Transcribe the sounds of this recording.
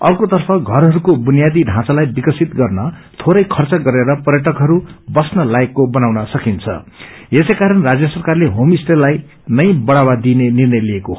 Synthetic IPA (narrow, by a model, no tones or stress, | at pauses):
ʌrkot̪ʌrpʰʌɡʱʌɾɦʌɾukobunijad̪iɖʱãt͡salajbikʌsit̪ɡʌrnʌ | t̪ʰoɾʌjkʰʌrt͡sʌɡʌɾeɾʌpʌrjʌʈʌkɦʌɾubʌsnʌlaekːobʌnawnʌsʌkint͡sʰʌ̰esʌjkaɾʌnrad͡zjʌsʌrkarleɦomisʈelaj | nʌjbʌɽawad̪inenirnʌjlieko